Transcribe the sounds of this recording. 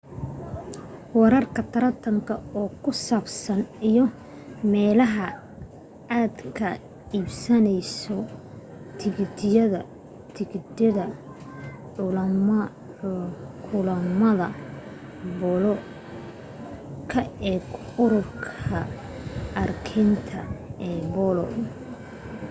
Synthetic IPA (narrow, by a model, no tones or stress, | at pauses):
wɛɾɐrkʰɐt̪ʰɐɾɐt̪ʰɐŋkʰɐɔːkʰʊsaːbsɐnijɔ | mɛːlɐɦɐ | aːd̪kʰɐ | iːbsɐnɛjsɔ | t̪ʰɪɣd̪ɪjɐðɐ | t̪ʰɪɡd̪ɐðɐ | ʕʊlɐm | kʰʊlɐmɐðɐ | bɔlɔ | kʰɐɛːɡʊɾʊrkʰɐ | ɐrkʰɛnt̪ʰɐɛːbɔlɔ̰